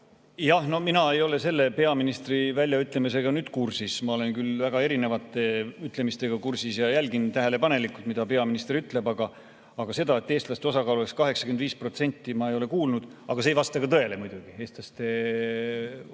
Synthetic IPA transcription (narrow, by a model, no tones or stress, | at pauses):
jɑhno̞hminɑe̞jo̞le̞se̞lːe̞pe̞ɑminist̪rivælʲjɑyt̪ːˑle̞mis̬e̞ɡ̥ɑnyːd̪̥kursismɑo̞le̞nkylvæɡ̥ɑe̞ɾine̞vɑt̪ːˑe̞yt̪ˑle̞mist̪e̞ɡ̥ɑkursisjɑjælʲɡint̪æɦele̞pɑne̞likult̪mid̪̥ɑpe̞ɑminist̪ryt̪ˑle̞bɑɡɑ | ɑɡ̥ɑse̞d̪ɑe̞t̪ˑːeːst̪lɑst̪eo̞sɑkɑːlueskɑɦe̞ksɑ̥kyend̪viːspro̞t̪se̞nʲt̪ːimɑejo̞le̞kuːlnud̪̥ɑɡ̥ɑsejvɑst̪ɑɡɑt̪ɤe̞le̞mujd̪uɡ̥ie̞ːst̪lɑst̪e